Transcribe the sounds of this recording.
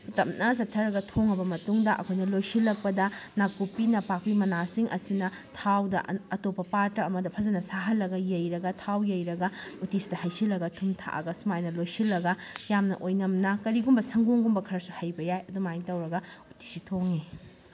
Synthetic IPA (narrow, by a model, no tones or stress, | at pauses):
pʰutɐmnɐs̬ɐtʰːɐɾɐɡɐtʰoŋɐbɐmɐtuŋdɐʔɐkʰojnɐlojsilːɐk̚pɐdɐnakupinɐpak̚pimɐnasiŋʔɐ̰sinɐtʰawdɐʔɐtopːɐpaɾtɐɾɐmɐdɐpʰɐzɐnɐsaɦɐlːɐɡɐjɐjɾɐɡɐtʰawjɐjɾɐɡɐutisdɐhɐjsilːɐɡɐtʰumtʰa̰ʔɐ̰ɡɐsumajnɐlojsilːɐɡɐjamnɐ̰ʔojnɐmnɐkɐɾiɡumbɐsɐŋɡuŋɡumbɐkʰɐɾɐsuhɐjbɐjajɐdumajiŋtɐwɾɐɡɐuti̥sitʰoŋi